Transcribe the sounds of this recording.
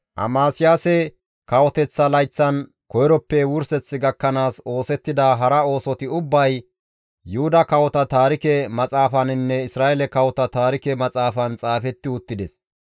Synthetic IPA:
ʔɐ̰maːsɪjaːsɛ | kɐwɔt̪ɛt͡sːɐlɐjt͡sːɐn | kɔjɪɾɔpːɛwʊɾsɛt͡sːɪɡɐkːɐnaːso̞ːsɛt̪ːɪd̪aɦɐɾɐo̞ːsɔt̪ɪʊbːɐj | jʊhʊd̪ɐkɐwɔt̪ɐt̪aːɾɪkɛmɐt͡sʼaːfɐnɪnːɛɪsɾaːʔɛlɛkɐwɔt̪ɐt̪aːɾɪkɛmɐt͡sʼaːfɐnt͡sʼaːfɛt̪ːɪʊt̪ːɪd̪ɛs

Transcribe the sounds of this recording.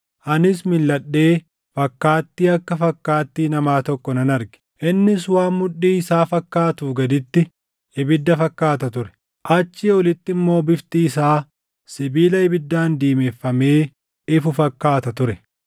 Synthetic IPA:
ʔɐnɪs̬mɪlːɐɗːe̞ː | fɐkːaːt̪ːiːɐkːɐfɐkːaːt̪ːiːnɐmaːt̪ɔkːɔnɐnɐɾɡɪ̥ | ʔɪnːɪswaːʊᶑːiːɪsaːfɐkːaːt̪ʊfɡɐd̪ɪt̪ːɪ | ɪbɪd̪ːɐfɐkːaːt̪ɐt̪ʊɾɛ̥ | ʔɐt͡ʃːiːɔlɪt̪ːɪmːo̞ːbɪft̪iːɪsaː | sɪbiːlɐɪbɪd̪ːaːnd̪iːmefːɐmeː | ɪfʊfɐkːaːt̪ɐt̪ʊɾɛ

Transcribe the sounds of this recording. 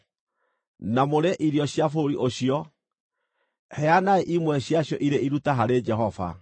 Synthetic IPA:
namoɾeʔiɾjɔɕjafoɾiʔoɕiɔ | hɛanaeʔimwɛɕjaɕjɔʔiɾeiɾutaɦaɾed͡ʑɛɦɔva̰

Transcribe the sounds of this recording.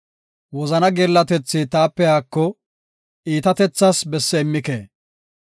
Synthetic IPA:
wɔzɐnɐɡɛɾlːɐt̪ɛt͡sːɪt̪aːpːɛjaːkːɔ | ʔiːt̪ɐt̪ɛt͡sːɐsbɛsːɛɪmːɪkḛː

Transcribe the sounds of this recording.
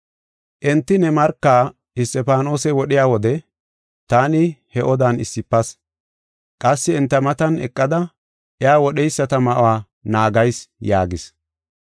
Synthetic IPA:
ʔɛnt̪ːɪnɛmɐɾkːaː | ɪst̪ɛpaːno̞ːsɛwɔɗɪjaːwɔd̪ɛ | t̪aːnɪhɛʔɔd̪aːnɪsːɪpːɐs | kʼɐsːɪɛnt̪ːɐmɐt̪ɐnɛ̰kʼːɐd̪ɐ | ʔɛjaːwɔɗɛjsːɐt̪ɐmɐʔwaː | naːɡɐjsjaːɡɪs

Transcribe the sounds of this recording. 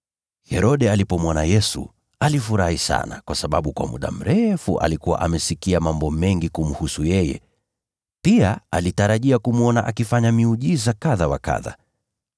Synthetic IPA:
hɛɾɔɗɛalipɔmwanajɛsṵ | alifuɾahisa̰nakwasaɓaɓukwa̰mṵɗa̰m̩ɾɛfṵʔa̰likuwa̰ʔamɛsikiamambɔmɛŋɡikum̩husujɛjɛ̰ | piaalitaɾaʄiakumuɔnaʔakifaɲamiuʄizakaðawaka̰ða̰

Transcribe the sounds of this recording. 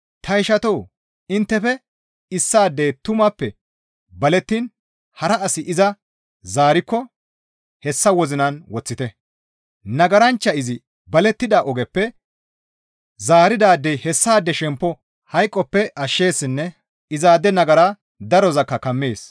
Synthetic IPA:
t̪ʰɐɪʃɐt̪ɔw | ɪnt̪ːɛfɛ | ɪsːaːd̪ːeːt̪ʊmɐpːɛ | bɐlɛt̪ːin | hɐɾɐɐsɪʔɪzɐ | zaːɾɪkːɔ | hɛsːɐwɔzɪnɐnwɔt͡sːɪt̪ɛ | nɐɡɐɾɐnt͡ʃːɐɪzɪ | bɐlɛt̪ːɪd̪aːʔɔɡɛpːɛ | zaːɾɪd̪aːd̪ːejhɛsːaːd̪ːɛʃɛmpːɔ | hɐjkʼːɔpːɛʔɐʃːe̞ːsɪnːɛ | ɪzaːd̪ɛnɐɡɐɾaː | d̪ɐɾɔzɐkːɐkɐmːeːs

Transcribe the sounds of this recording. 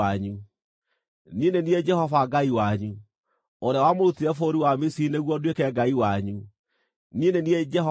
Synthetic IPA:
aɲu | ninenied͡ʒɛɦɔvaɡaiwaɲu | oɾeawamoɾutiɾɛfoɾiwamisineɣwɔdwekɛɡaiwaɲu | ninenied͡ʒɛɦ

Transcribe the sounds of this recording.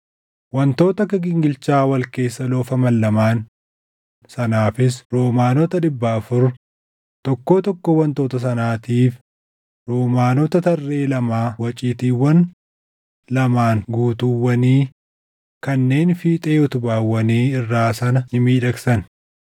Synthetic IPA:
wɐnt̪o̞ːt̪ɐkɐɡɪŋɡɪlt͡ʃaːwɐlke̞ːsːɐloːfɐmɐlːɐmaːn | sɐnaːfɪs̬ɾoːmaːnɔt̪ɐᶑɪbːɐːfʊɾ | t̪ɔkːoːt̪ɔkːowɐnt̪oːt̪ɐs̬ɐnaːt̪iːf | ɾoːmaːnɔt̪ɐt̪ɐrːe̞ːlɐmaːwɐt͡ʃʼiːt̪iːwɐn | lɐmaːŋɡuːt̪uːwːɐniː | kɐnːe̞ːnfiːt̪ʼeːʊt̪ʊbaːwːɐniːɪrːaːsɐnɐɪmiːᶑɐksɐn

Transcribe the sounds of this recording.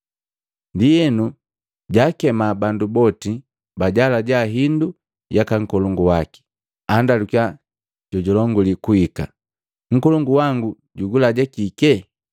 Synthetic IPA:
ndijɛnu | ɟaːkɛmabandubɔti | baɟalaɟaɦindu | jakaŋ̩kɔlɔŋɡuwaki̥ | andalukja | ɟɔɟɔlɔŋɡulikuika̰ | ŋ̩kɔlɔŋɡuwaŋɡu | ɟuɡulaɟakikɛ

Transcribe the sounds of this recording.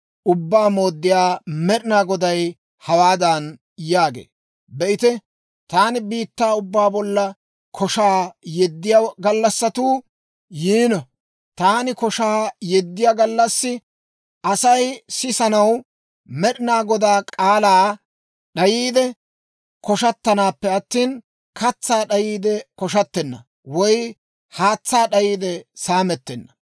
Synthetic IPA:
ʔʊbːaːmo̞ːd̪ːɪjaːmɛɗɪnaːɡɔd̪ɐj | hɐwaːd̪ɐn | jaːɡḛː | bɛʔɪt̪ɛ | t̪aːnɪbiːt̪ːaːʊbːaːbɔlːɐ | kʰɔʃaːjɛd̪ːɪjaɡɐlːɐsːɐt̪uː | jiːnɔ | t̪aːnɪkɔʃaːjɛd̪ːɪjaɡɐlːɐsːɪ | ʔɐsɐjsɪsɐnɐw | mɛɗɪnaːɡɔd̪aːkʼaːlaː | ɗɐjiːd̪ɛ | kɔʃɐt̪ːɐnaːpːɛɐt̪ːiːn | kɐt͡sːaːɗɐjiːd̪ɛkɔʃ̬ɐt̪ːɛnːɐ̰ | wɔj | haːt͡sːaːɗɐjiːd̪ɛsaːmɛt̪ːɛnːɐ̥

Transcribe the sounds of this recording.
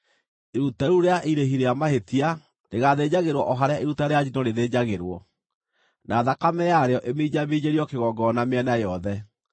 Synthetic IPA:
eɾutaɾuɾeaʔiɾeɦiɾejamahetia | neɣaðed͡ʑaɣeɾwɔʔɔɦaɾeaʔeɾutaɾead͡ʑinɔneðed͡ʑaɣeɾwɔ | naːðakamɛjaɾeɔʔemiɲameɲeɾiɔkeɣɔɡɔnameɛnajɔðɛ

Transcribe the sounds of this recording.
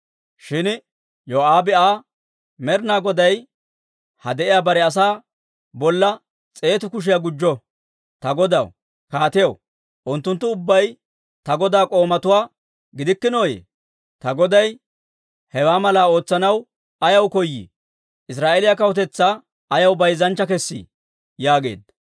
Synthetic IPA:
ʃɪn | joːʔaːbɪaː | mɛɾnaːɡɔd̪ɐj | hɐ̰d̪ɛʔɪjaːbɐɾɛɐs̬aː | bɔlːɐ | t͡sʼe̞ːt̪ʊkʊʃ̬ɪjɐɡʊd͡ʒːɔ | t̪ɐɡɔd̪ɐ̰w | kaːt̪ɪjɐw | ʔʊnt̪ːʊnt̪ːʊːʊbːɐj | t̪ɐɡɔd̪aːkʼo̞ːmɐt̪ʊwaː | ɡɪd̪ɪkːɪno̞ːjḛː | t̪ɐɡɔd̪ɐj | hɛwaːmɐlaːo̞ːt͡sːɐnɐw | ɐjɐwkɔjːḭ | ʔɪs̬ɾaːʔelɪjɐkɐwɔt̪ɛt͡sːa | ɐjɐwbɐjzɐnt͡ʃːɐkɛsːḭ | jaːɡe̞̰ːd̪

